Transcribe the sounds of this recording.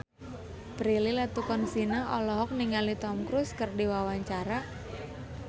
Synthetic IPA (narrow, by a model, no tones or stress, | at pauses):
pɾililat̪ukɔnsinaʔɔlɔɦɔk̚niŋalit̪ɔmkɾuskərdiwawaɲt͡ʃaɾa